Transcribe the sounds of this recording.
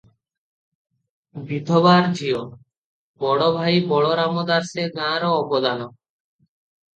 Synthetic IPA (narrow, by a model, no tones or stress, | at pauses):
bid̪ʱobaɾd͡ʑʱio | bɔɽobʱajbɔɽoɾamod̪aɾseɡãɾoːbod̪ano